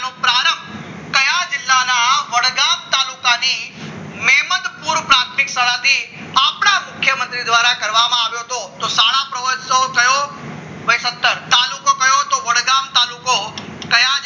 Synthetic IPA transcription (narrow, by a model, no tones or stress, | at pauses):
nõpɾaːɾə̃mb | kɐjazɪlːanãʋɐɽɡaːmt̪aːluːkãniː | mɛːɦmət̪puːɾpɾaːk̚ʈɪksɐɽat̪i | aːpnamʊkʰjəmə̃nt̪ɾid̪ʋaːɾakɐɾʋamãːʋijot̪ʰot̪osaːɽapɾɐʋəd͡ʒokɐjo | ʋɐsət̪ːəɾt̪aːlukokɐjot̪oʋɐɽɡaːmt̪aːluːkokɐjã